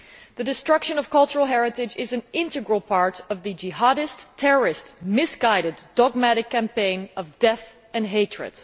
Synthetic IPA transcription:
ðɨdɨstɹ̥ʌkʃɨ̃nʌv̥kʌlˠt͡ʃəɹlˠɦɛɹɨtɪd͡ʒɪzɨ̃nɪ̃ntɨɡɹəl̩ˠpʰɑɹɾʌvðɨd͡ʒɪɦaɾɨstʰɛɹə˞ɪstmɪsɡ̥aɪɾɨdɑɡ̚mæɾɨkʰːæ̃mpẽɪ̃nʌvdɛθ | ɨ̃nɦeɪtɹ̥ɨ̰d̥

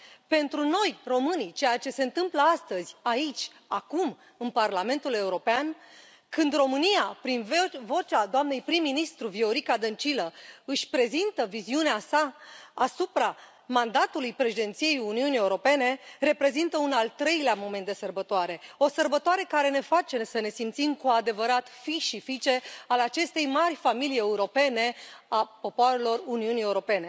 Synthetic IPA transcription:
pe̞nt̪ɾuno̞jro̞mɨnit͡ʃe̞jat͡ʃe̞se̞ɨnt̪ɨmpləast̪əzʲait͡ʃʲ | akum | ɨnparlame̞nt̪ule̞uɾo̞pean | kɨnd̪ro̞mɨnijapɾinvo̞t͡ʃad̪oamne̞jpɾimːinist̪ɾuvio̞ɾikad̪ənt͡ʃiləɨʃʲpɾe̞zint̪əviziuneasaːsupɾa | mand̪at̪ulujpɾe̞ʃid̪e̞nt̪sije̞juniunie̞uɾo̞pe̞ne̞ɾe̞pɾe̞zint̪əunalt̪ɾe̞jleamo̞me̞nt̪d̪e̞sərbət̪oaɾe̞o̞sərbət̪oaɾe̞kaɾe̞ne̞fat͡ʃe̞səne̞simt̪simkuad̪e̞vəɾat̪fiʃifit͡ʃe̞alat͡ʃe̞st̪e̞jmarʲfamilije̞uɾo̞pe̞ne̞apo̞poaɾe̞lo̞runiunie̞uɾo̞pe̞ne̞

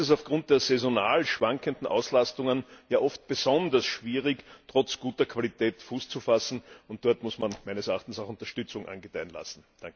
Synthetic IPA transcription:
ɛs̬aʊfɡ̥ʁʊ̃nt̚d̥eːɐzɛzonaːlʃv̥aŋkəndn̩ʔa̰ʊslastʊŋənjaːʔɔft̚b̥ezɔndɐsʃv̥iːʁɪktʁ̥ɔt͡sɡ̥uːtɐkʰv̥alitʰɛːtfuːst͡sufasn̩ʊnt̚d̥ɔɐtmʊsmanmæɪnəsɛɐaχtn̩saʊxʊ̃ntɐʃtʏt͡sʊŋʔa̰nɡətæɪnla̰sn̩d̥aŋk

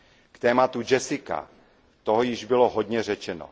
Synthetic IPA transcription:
kt̪ɛːmat̪ud͡ʒɛsɪka̰ | t̪o̞ɦojɪʒbɪlo̞ɦo̞d̪ɲɛr̝ɛt͡ʃɛno̰

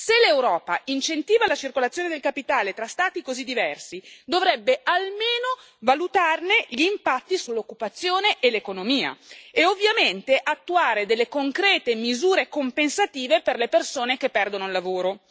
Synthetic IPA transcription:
selːewɾɔːpaint͡ʃent̪iːvalat͡ʃirkolat̪sːjoːned̪elkapit̪aːlet̪ɾast̪aːt̪ikozid̪ːivɛrsid̪ovɾɛbːeʔalmeːno | valut̪arneʎiːmpat̪ːisulːokːupat̪sːjoːneʔelekonomiːa̰eovːjament̪eʔat̪ːuaːɾed̪elːekoŋkɾɛːt̪emizuːɾekompensat̪iːveperlepersoːnekepːɛrd̪onoilːavoːɾo

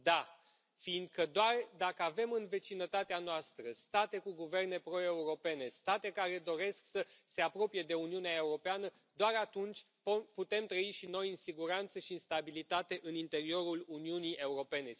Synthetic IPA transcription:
d̪a | fiːnd̪̚kəd̪oard̪akəave̞mɨnve̞t͡ʃinət̪at̪eanoast̪ɾəst̪at̪e̞kuɡuve̞rne̞pɾo̞e̞uɾo̞pe̞ne̞st̪at̪e̞kaɾe̞d̪o̞ɾe̞sksəse̞apɾo̞pije̞d̪e̞un̪iuneae̞uɾo̞peanə | d̪oaɾat̪unt͡ʃʲ | pput̪e̞mt̪ɾəiʃino̞jɨnsiɡuɾant̪səʃiɨnst̪abilit̪at̪e̞ʔɨnint̪e̞ɾio̞ɾuluniuniʔe̞uɾo̞pe̞ne̞

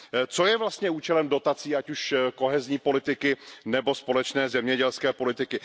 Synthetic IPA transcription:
t͡so̞jɛvlast̪ɲɛuːt͡ʃɛlɛmdo̞t̪at͡siːacuʃko̞ɦɛzɲiːpo̞lɪt̪ɪkɪnɛbo̞spo̞lɛt͡ʃnɛːzɛmɲɛɟɛlskɛːpo̞lɪt̪ɪkɪ

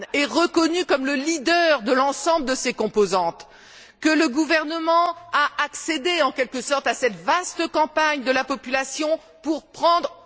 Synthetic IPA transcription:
ɛʁəkɔnykɔmləlid̪œʁd̪əlɑ̃sɑ̃bləd̪əsekɔ̃pozɑ̃t̪ | kələɡuvɛʁnəmɑ̃aʔaksed̪eɑ̃kʲɛlkəsɔʁt̪asɛt̪vast̪əkɑ̃paɲd̪əlapɔpylasjɔ̃ | puʁpχɑ̃d̪ʁ

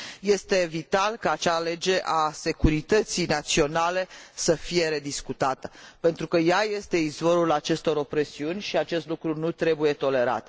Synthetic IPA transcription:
je̞st̪e̞vit̪alkaːt͡ʃale̞d͡ʒe̞ʔase̞kuɾit̪ət̪sijnat̪sio̞nale̞səfije̞ɾe̞d̪iskut̪at̪əpe̞nt̪ɾukəjaje̞st̪e̞izvo̞ɾulat͡ʃe̞st̪o̞ɾo̞pɾe̞siunʲʃiat͡ʃe̞st̪lukɾunut̪ɾe̞buje̞t̪o̞le̞ɾa̰t̪

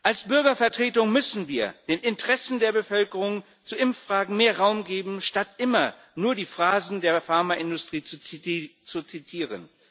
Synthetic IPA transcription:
ʔalsb̥ʏɐɡɐfɛɐtʁ̥eːtʊŋmʏsn̩viːɐd̥eːnɪntəʁɛsn̩deːɐbəfœlkəʁʊŋ | t͡suʔɪmfʁ̥aːɡŋ̩meːɐʁaʊmɡeːbm̩ʃtatʔɪmɐ | nuːɐdiːfʁ̥aːzn̩deːɐfaɐmaʔɪndʊstʁ̥iːt͡sut͡sut͡sitʰiːʁə̰n

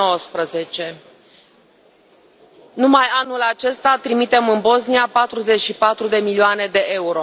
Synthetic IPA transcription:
owəspɾəze̞t͡ʃe̞ | numajanulat͡ʃe̞st̪at̪ɾimit̪e̞mɨnbo̞zniapat̪ɾuze̞t͡ʃʃipat̪ɾud̪e̞milioane̞d̪e̞ʔe̞uɾo̞

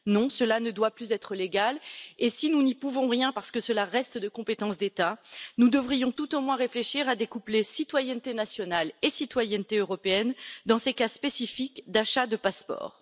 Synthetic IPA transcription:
nɔ̃səlanəd̪waplyzɛt̪χəleɡalesinunipuvɔ̃ʁjɛ̃paʁsə̥kəsəlaʁɛst̪d̪əkɔ̃pet̪ɑ̃sd̪et̪anud̪əvʁijɔ̃t̪ut̪omwɛ̃ʁefleʃiʁad̪ekuplesit̪wajɛnt̪enasjɔnalesit̪wajɛnt̪eøʁɔpeɛnd̪ɑ̃sekaspesifikd̪aʃad̪əpaspɔ̰ːʁ

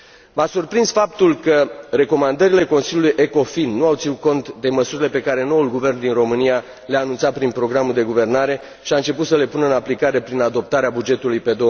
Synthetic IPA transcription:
vasurpɾinsfap̚t̪ulkəre̞ko̞mand̪əɾile̞ko̞nsiljulujʔe̞ko̞finːuawt̪sinut̪̚ko̞nt̪d̪e̞məsuɾile̞pe̞kaɾe̞no̞ulɡuve̞rnd̪inro̞mɨnija | leaːnunt̪sat̪pɾinpɾo̞ɡɾamuld̪e̞ɡuve̞rnaɾe̞ | ʃiaɨnt͡ʃe̞put̪səle̞punəɨnaplikaɾe̞pɾinad̪o̞p̚t̪aɾeabud͡ʒe̞t̪ulujpe̞d̪o

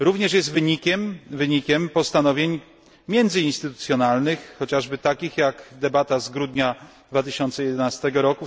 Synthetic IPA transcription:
ɾuvɲɛʂjɛst̪vɘɲikʲɛmvɘɲikʲɛmpɔst̪anɔvʲjeɲ | mʲjɛnd̪zɘinst̪ɘt̪u̥t̪sʲjɔnalnɘxːɔt͡ɕaʐbɘt̪akʲixjakd̪ɛbat̪azɡɾud̪ɲa | d̪vat̪ɘɕɔnt̪sɛjɛd̪ɛnast̪ɛɡɔɾɔku

